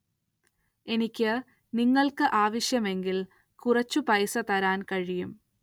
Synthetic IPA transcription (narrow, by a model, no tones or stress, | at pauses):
e̞nikʲːɨ | niŋːɐɭkɨʔaːʋɐɕjɐme̞ŋɡil | kurɐt͡ɕːupɐjsɐt̪ɐɾaːnkɐɻijum